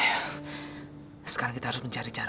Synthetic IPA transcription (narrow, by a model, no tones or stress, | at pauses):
sə̥kaɾaŋkit̪aɦaɾʊsməɲt͡ʃaɾit͡ʃaɾ